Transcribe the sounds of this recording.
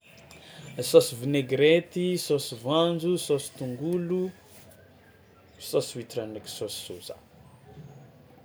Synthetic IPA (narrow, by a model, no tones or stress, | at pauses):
sosivineɡɾet̪isosivand͡zusosi̥t̪uŋɡulu | sosivit̪uraneki̥sosi̥suza̰